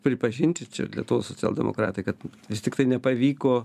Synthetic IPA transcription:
pʲɾʲɪpɐʒʲɪnʲt̪ʲɪt͡ʃʲɛ̰lʲiɛt̪uʋosot͡sʲæ̰lˠdʲɛ̰mʔo̰kɾɑ̰ːt̪ɐɪkɐt̪ʋʲɪsʲt̪ʲɪkt̪ɐɪnʲɛpɐʋʲiːkoː

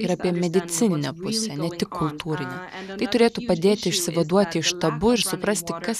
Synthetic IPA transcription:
ɪɾɑːpʲiɛmʲɛd̪ʲɪt̪sʲɪnʲɪnʲɛpʊsʲɛnʲɛt̪ʲɪkkʰːʊlˠt̪uːɾʲɪnʲɛ | t̪ɐɪt̪ʊɾʲeːt̪uːpɐd̪ʲeːt̪ʲɪɪʃʲsʲɪʋɐd̪uɔt̪ʲɪɪʃt̪ɐbʊɪɾsʊpɾɐsʲt̪ʲɪkɐs

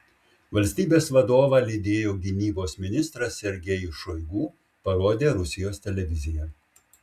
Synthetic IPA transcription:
ʋɐlʲsʲt̪ʲiːbʲeːsʋɐd̪oːʋɑːlʲiːd̪ʲeːjoːɡʲɪnʲiːboːsmʲɪnʲɪst̪ɾɐsːʲɛɾʲɡʲɛjʊʃɔɪɡuː | pɐɾoːd̪ʲeːɾʊsʲɪjoːst̪ʲɛlʲɛʋʲɪzʲɪjɛ

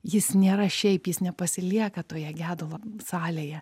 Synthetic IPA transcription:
jɪsnʲeːɾɐʃʲɛɪpjɪsnʲɛpɐsʲɪlʲiɛkɐt̪oːjɛɡʲæːd̪olˠɐsɑːlʲeːjɛ

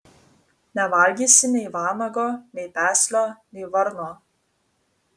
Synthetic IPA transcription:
nʲɛʋɐlʲɡʲiːsʲɪnʲɛɪʋɑːmɐɡoːnʲɛɪpʲæːsʲlʲoːnʲɛɪʋɐɾnoː

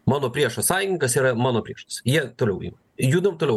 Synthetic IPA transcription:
mɑːnoːpʲɾʲiɛʃossɑːjʲɪɪŋkɐsiːɾɐmɑːnoːpʲɾʲiɛʃt̪ɐsjiɛt̪oːlʲɛʊḭːmɐ | juːd̪ɐmt̪oːlʲɛʊ

